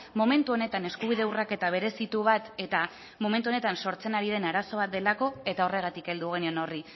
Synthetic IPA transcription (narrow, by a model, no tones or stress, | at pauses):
mo̞me̞nt̪uone̞t̪ane̞skuβiðe̞urake̞t̪aβ̞e̞ɾe̞sit̪uβ̞at̪e̞t̪a | mo̞me̞nt̪uo̞ne̞t̪anso̞ɾt͡se̞naɾiðe̞naɾaso̞βat̪̚d̪e̞lako̞e̞t̪ao̞re̞ɣ̞at̪ike̞ld̪uɣeniono̞ri